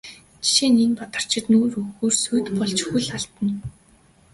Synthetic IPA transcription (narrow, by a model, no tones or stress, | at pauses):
t͡ɕi̥ʃeːninpat̪ə̆r̥t͡ɕʰɪ̆t̪nuːɾɵxoːrsujt̪pɔɮt͡ɕxuɮaɬt̪ə̆n